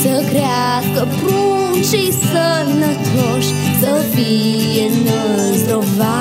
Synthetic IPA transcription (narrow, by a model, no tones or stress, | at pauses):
səkɾea | skəpɾu | nt͡ʃejsə | nət̪ɾoʃ | səvi | jenə | zd̪ɾova